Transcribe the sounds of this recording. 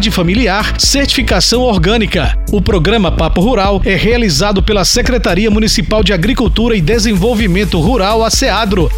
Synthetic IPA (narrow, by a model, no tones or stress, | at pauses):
d͡ʒɪfɐmiliaɾseɾt͡ʃi̥fikasɐ̃w̃oɾɡɐ̃nikɐ | ʊpɾoɡɾɐ̃mɐpapʊɦuɾawɛhealizad̪ʊpelɐsekɾet̪aɾiɐmũnisipawd͡ʒɪaɡɾikuwt̪uɾɐɪd̪ezẽvowvimẽnt̪ʊɦuɾawasead̪ɾʊ